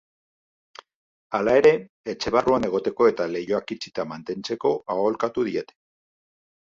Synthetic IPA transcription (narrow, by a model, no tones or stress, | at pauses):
alae̞ɾe̞ː | t͡ʃe̞β̞aruane̞ɣ̞o̞t̪e̞ko̞e̞t̪ale̞jo̞akit͡ʃit̪amant̪e̞nt͡se̞ko̞ao̞lkat̪uðie̞t̪e̞̥